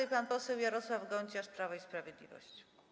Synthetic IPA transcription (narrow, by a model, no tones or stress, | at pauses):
ɛjpanpɔsɛwjaɾɔswavɡɔɲt͡ɕaʂpɾavaispɾavʲjɛd̪lʲḭvɔ̰ɕt͡ɕ